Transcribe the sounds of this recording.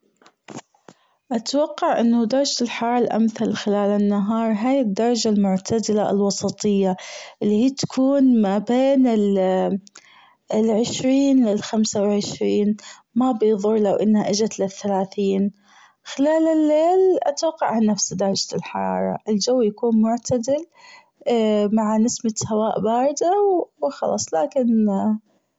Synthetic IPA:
ʔat̪wɑqːɑʕʔɪnːad̪ɑɾˤɑd͡ʒlħɑɾˤɑːɾˤɑlʔa̰mθalxɪlaːlɪnːaɦɑːɾˤɦaːjɪd̪ːɑɾˤɑd͡ʒalmʊʕt̪ʰad̪ɪlaɪ̰lwɑsˤɑt̪ˤɨjːaʔɪlːihiːt̪ḁkʰuːnmabeːnɪl | lʕɪʃɾiːnlɪlxamsawɪlʕɪʃɾiːn | mabɪjðˤʊɾˤlawʔɪnːhaʔɪd͡ʒat̪lɪθːalaːθiːn | xɪlaːlɪlːeːlʔa̰t̪wɑqːɑ̰ʕʕanːafsd̪ɑɾˤɑd͡ʒalħɑ̰ɾˤɑ̰ːɾˤɑ̰ʔɪld͡ʒawːjakuːnmʊʕt̪ʰad̪ɪl | maʕanɪsmat̪hawaːʔbɑːɾˤɪd̪awwxɑ̰lɑ̰ːsˤlaːkɪn

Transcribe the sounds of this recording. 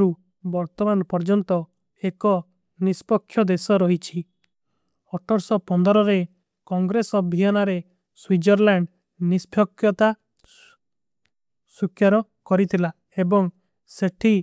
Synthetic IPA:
ɾu | bɔɾt̪ɔmanɔpɔɾd͡ʒɔnt̪ɔ | ekɔ | nispɔkʰːjɔd̪esɔɾɔɦit͡ʃʰi | ɔʈɔɾsɔpɔnd̪ɔɾɔɾe | kɔŋɡɾesɔbʱiɦɔnaɾe | swid͡ʒɔɾlaɳɖ | nisbʱjɔkʰjɔt̪a | sukʰjaɾɔ | kɔɾit̪ʰila | ebɔŋ | seʈʰi

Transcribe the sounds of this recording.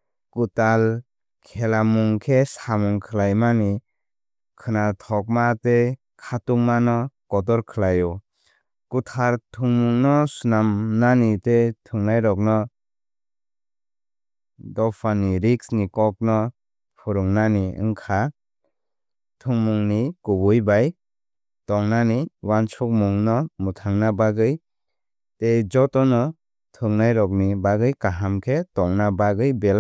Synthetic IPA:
kutal | kʰelamuŋkʰesamuŋkʰɯlajmani | kʰɯnatʰɔk̚mate | kʰatuŋmanɔkɔt̬ɔɾkʰɯlajɔ | kutʰaɾtʰuŋmuŋnɔsunamnanitetʰuŋnajɾɔk̚nɔ | dɔpʰaniɾiksnikɔk̚nɔ | pʰuɾuŋnaniɯ̰ŋkʰa | tʰuŋmuŋnikubujbaj | tɔŋnaniwant͡ʃʰuk̚muŋnɔmutʰaŋnabaɡɯj | tejd͡ʒɔtɔnɔ | tʰɯŋnajɾɔk̬̚nibaɡɯjkaɦamkʰetɔŋnabaɡɯjbela

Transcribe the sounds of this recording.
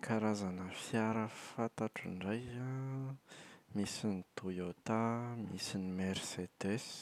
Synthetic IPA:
kʰaɾazanəfjaɾəfat̪aʈ͡ʂiɳɖ͡ʐaja | misinit̪ujot̪amisinimeɾsed̪es

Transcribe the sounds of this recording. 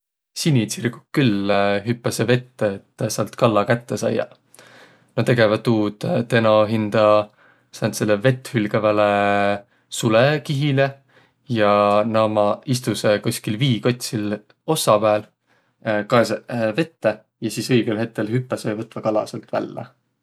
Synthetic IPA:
sinʲit̪sirɡukkylɦypːɑseve̞t̪ːeet̪ːsɑlt̪ˑkɑlːɑkæt̪ːesɑ̰jːɑ̰ | not̪e̞ɡevɑt̪ːuːd̪̥t̪enoɦind̪̥ɑ | sɑnd̪se̞lːeve̞t̪ːˑhylɡ̥evæle | sulekiɦile | jɑnɑmɑist̪usekusʲkilviːko̞t̪ʲsil | o̞sːɑpæːl | kɑeseve̞t̪ːe | jɑsiːsɤjɡ̥elɦe̞t̪̚ke̞lhypːɑsejvɤt̪ːvɑkɑlɑ̰selt̪væ̰lːḛ

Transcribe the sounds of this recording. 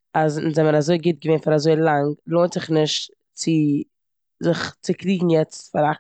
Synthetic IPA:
azɪnzɛməɾazoɪɡɪt̚ɡəveːnfaɾazoɪlˠaŋlˠoːntz̥ɪχnɪʃt | t͡sɪ | zɪχt͡sɪkliːɡŋ̩jɛt͡stfaɾa

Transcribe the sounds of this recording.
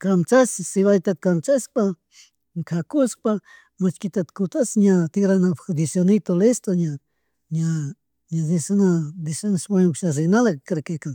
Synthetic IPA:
kamt͡sassiβajt̪at̪̚kamt͡saspa | ŋkʰakus̚pa | mat͡ʃkit̪at̪kut͡s̪asɲãt̪iɾanãpd̪isjonit̪olest̪oɲa | ɲa | ɲãdisanãd̪isanaspaɲukʃas̬enalakɾekeka

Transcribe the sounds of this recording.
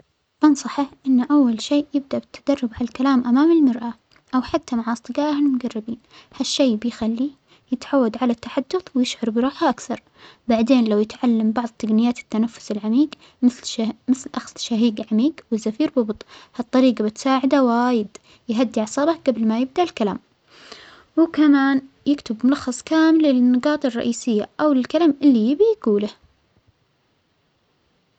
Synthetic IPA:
bɑnsˤɑħaʔɪnːʔawːalʃeːʔjɪb̚d̪aʔbɪt̪ʰːad̪̥ɑrˤːɑbʕalalkalaːmʔamaːmɪlmɑɾʔa | ʔawħat̪ʰːamaʕʔɑsˤt̪ˤɨɡɑːɾhalmʊɡarˤːɪbiːnhaʃːeːbɪjxalːi | jɪt̪ʕawːad̪ʕalat̪ːaħad̪ːʊθwɪjɪʃʕɑɾbɾˤuːħʔakθɑɾˤ | baʕd̪eːnlawjɪt̪ʕalːambɑʕðˤt̪ːaɡnɪjːaːt̪ɪ̥t̪ːanafːʊ̥sɪlʕamiːɡ | mɪmɪθlʔaxstʃaɦiːɡʕamiːɡwɪzːafiːɾbʊbt̪ˤhɑt̪ˤːɑɾiːɡabɪt̪saːʕɪd̪awaːjɪd̪ | jɦad̪ːiʕɑsˤɑːbɑhɡablmajɪb̚d̪aʔlkala̰ːm | wɪkamaːn | jɪkt̪ɪbmʊlɑxːɑsˤkaːmɪlɪnːɑɡɑːt̪ˤɑrˤːɑ̰ʔiːsɪjːa̰ʔawlɪlkalaːmʔɪlːijɪbijaɡuːlah

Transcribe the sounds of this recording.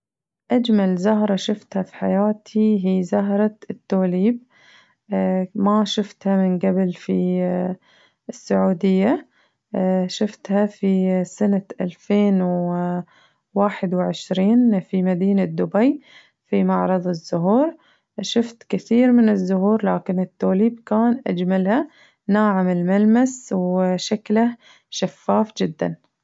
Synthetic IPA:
ʔad͡ʒmalzaɦɾˤɑʃʊft̪hafi̥ħajaːt̪ʰiɦiːzaɦɾˤɑt̪ːoːliːb̚ | maʃʊft̪hamɪnɡabɪlfi | ɪsːaʕuːd̪ɪjːa | ʃʊft̪hafisanaʔalfeːnw | waːħɪd̪wɪʕɪʃɾiːnfimad̪iːnad̪ːʊbaj | fimɑʕɾˤɑðˤɪzːʊɦuːɾ | ʃʊft̪kɪθiːɾmɪnɪzːʊɦuːɾlaːkɪnɪt̪ːoːliːbkaːnʔa̰d͡ʒmalha | naːʕamɪlmalmaswʃakla | ʃafːaːfd͡ʒɪd̪ːa̰n

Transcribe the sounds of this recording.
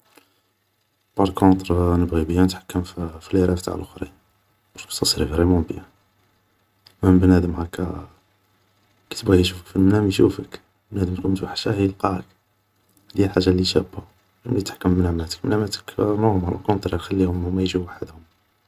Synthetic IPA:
bɑɾˤkõt̪ˤɾnəbɣibəjːænət̪ħḁkːəmfiliɾˤæft̪a̰ʕlʔʊxɾḭn | bɑɾkt̪ːɑsˤɾifɾimubəja | məmbnæd̪əmhækːæ | kæ̥t̪əbɣiʃufəkfilmnæmjʃufək | bnæd̪əmt̪kunt̪waħʃæhəjəlqɑʕə̰k | d̪ihælħaʒːalːiʃæba | mlit̪ħḁkːəmnaʕmæt̪ə̥kmnæmæt̪ə̥knomɾ̰lkõnt̪ˤɾxælːihʊmmæjʒiwaħəd̪hʊm

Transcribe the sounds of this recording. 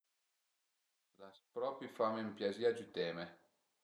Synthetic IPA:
laspɾɔpifamempjaziːad͡ʒut̪ɛːme

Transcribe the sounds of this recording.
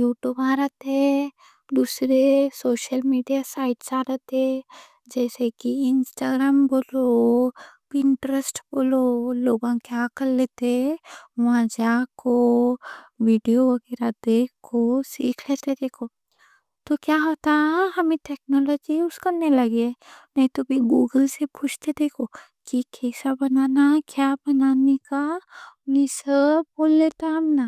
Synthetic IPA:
juːʈjuːbãːɾət̪e | d̪usɾesoːʃəlmiːɖijasaːɪʈsaːɾət̪e | d͡ʒɛːsekiɪnsʈaːɡɾaːmboːlo | ɪɳʈɾəsʈboːloloːɡãkjaːkɐɾleːt̪eʋãd͡ʒakʰo | ʋiːɖijoɐɡeɾad̪eːkʰːosiːkʰleːt̪ed̪eːkʰo | t̪okjaːɦoːt̪aɦɐmẽʈɛːknɔlɔːd͡ʒiʊskɐnelɐɡeɛnɐɦĩt̪obʱiɡuːɡəlsepʊt͡ʃʰt̪ed̪eːkʰo | kikʰeːsabɐnaːnakjaːbɐnaːnekaʊmẽsəb̚boːlːeːt̪aɦɐmna

